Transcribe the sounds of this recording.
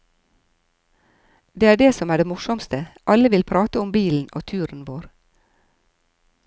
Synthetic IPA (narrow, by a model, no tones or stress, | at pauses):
d̪eːæːɖeːsɔmæːɖeːmʊʃɔmst̪əʔɑləʋɪlpʰɾɑːt̪əʊmbiːln̩o̰ːt̪ʰʉːɾn̩ʋoːɾ